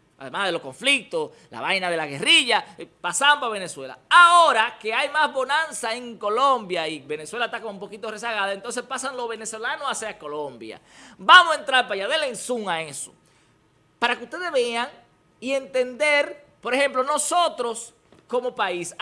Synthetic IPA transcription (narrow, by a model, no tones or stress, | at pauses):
a̰ðe̞mazðelo̞sko̞ɱflik̚t̪os | la̰βajnaðe̞laɣe̞riʝapasaaβene̞swe̞la̰aoɾake̞ajmazβo̞nansaeŋko̞lo̞mbjaiβe̞neswe̞lat̪akomump̬o̞kit̪ore̞saɣaðaent̪onse̞spasaŋloβe̞ne̞so̞lanoaseako̞lombja̰bamosent̪ɾaɾpajaðelensuŋaeso̥̰ | paɾakeust̪e̞ðeβeaŋ | ie̞nt̪e̞nd̪e̞ɾ | po̞ɾehe̞mplo̞no̞sot̪ɾo̞s | ko̞mopais